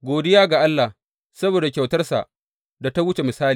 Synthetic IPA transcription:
ɡʷoː˨dɪ˦jaː˦ɡa˨ʔa˦lːa˨h | sɐ˦boː˨da˨kʲa˨wtɐ˦rsa̰˨ʔ | da˨ta˦wʊ˦t͡ʃe˨mɪ˨saː˦liː˨

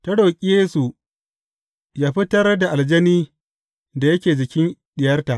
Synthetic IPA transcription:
tɐ˦ɽoː˨kʲʼɪ˦jeː˦su˨ | jaː˦ɸi˦tɐ˦rda˨ʔa˨ld͡ʒɐ˦niː˦ | da˨jɐ˦kʲeː˨d͡ʒɪ˨kʲɪ˦nɗɪ˨jɐ˦rta˨ʔ

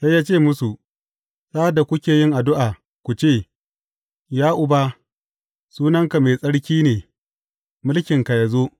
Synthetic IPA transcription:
sa˦jːaː˦t͡ʃeː˦˨mʊ˦su˨ | saː˦da˨kʷʊ˦kʲeː˨jɪ˦ŋʔa˨dʊ˦ʔaː˨ | kʷu˨t͡ʃeː˦˨ | jaː˦ʔʊ˨ba˦ | suː˦nɐ˦ŋka˨meː˨sʼɐ˦ɽkʲiː˦neː˨ | mʊ˦lkʲɪ˨ŋka˨ja˨zoː˦

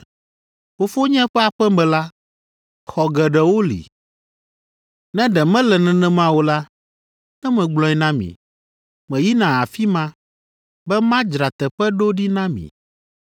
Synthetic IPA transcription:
fo˨fo˦ɲɛ̃˦ɸɛ˦a˨ɸɛ˦mɛ̃˨la˦ | xɔ˨ɡɛ˨ɖɛ˨wo˦lḭ˨ | nɛ̃˦ɖɛ˨mɛ̃˦lɛ˨nɛ̃˨nɛ̃˦mã˦wo˦la˦ | nɛ̃˦mɛ̃˨ɡ͡blɔ̃˨ɛ˨˦nã˦mḭ̃˨ | mɛ̃˨ji˦nã˨a˨fi˦mã˦ | bɛ˦mã˦d͡ʒɾa˨t̪ɛ˨ɸɛ˦ɖo˦ɖi˦nã˦mḭ̃˨

